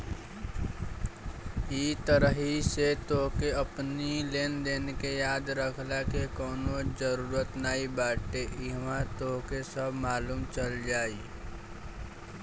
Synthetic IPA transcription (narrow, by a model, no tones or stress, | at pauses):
it̪əɾəɦiset̪okeəpnileːnd̪eːnekejaːd̪ɾəkʰlakekɔːnod͡ʒəɾuːɾət̪naːibaːʈeʔɪɦmãt̪oɦkesəbʱmaːluːmt͡ʃəld͡ʒaːi